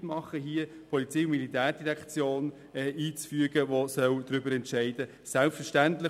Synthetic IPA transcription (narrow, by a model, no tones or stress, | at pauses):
tmɑχəɦiə | pʰɔlit͡siʊnmilit̪æːɾd̥iɾækt͡sjoːn | ɛʔiːt͡sfyəɡəʋosœwd̥̪ɾʏbəɾɛntʃɛɪd̥ə | sælpfəʃtænt̪lɪ